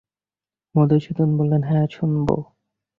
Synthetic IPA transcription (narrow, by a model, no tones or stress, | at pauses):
mod̪ot͡ɕʰut̪onbolːenɦɛt͡ɕʰunbo̰